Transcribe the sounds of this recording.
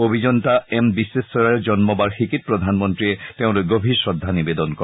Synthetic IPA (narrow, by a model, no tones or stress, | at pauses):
obʱid͡ʑɔntaɛmbisːesɔɹaɹd͡ʑɔnmɔbaɹxikit̚pɹɔd̪ʱanmɔntɹiɛteʊ̃lojɡobʱiɹsɹɔd̪ʱːanibed̪ɔnkɔ